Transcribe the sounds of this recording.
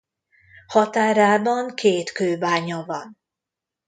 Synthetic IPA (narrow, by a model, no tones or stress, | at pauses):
hɒt̪aːɾaːbɒŋkʰeːt̪køːbaːɲɒvɒn